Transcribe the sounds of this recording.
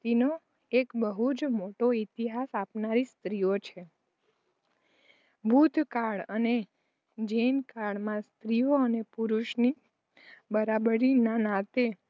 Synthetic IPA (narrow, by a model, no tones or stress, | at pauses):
t̪ino | ekbəɦud͡ʒmoʈoit̪iɦasapnaɾist̪ɾijot͡ʃʰe | bʱud̪ʱkaɭə̰ne | d͡ʒenkaɭmãst̪ɾijoənepuɾuʃni | bəɾabəɾinanãt̪e